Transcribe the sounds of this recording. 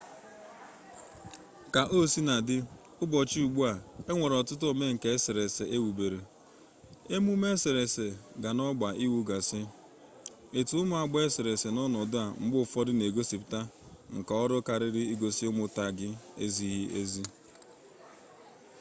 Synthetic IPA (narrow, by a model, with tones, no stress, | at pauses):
ka˨ʔo˦si˦na˨dɪ˦ | ʊ˦bɔ˨t͡ʃi˦u˨ɡ͡bu˦a˨e˦ŋʷe˨ɾɔ˨tʊ˦tʊ˦o˨me˦ŋ̩˨ke˨e˦se˨ɾe˨se˨ʔe˦wu˨be˨ɾe˨ | e˦mu˦me˦se˨ɾe˨se˨ɡa˨nɔ˦ɡ͡ba˨ʔi˦wu˦ɡa˨sɪ˦ | e˨tu˨ʊ˦mʊ˦a˨ɡ͡be˦se˨ɾe˨se˨nɔ˦nɔ˨dʊ˦a˨ŋ͡m̩˨ɡ͡bʊ˦˨fɔ˦dɪ˦ne˨ɡo˦si˨pta˦ŋ̩˨ka˨ɔ˦ɾʊ˦ka˨ɾɪ˦ɾɪ˦i˦ɡo˨si˦ʊ˦mʊ˦ta˦˨ɡɪ˦ḛ˦zi˦ɦi˦ʔe˦zi˦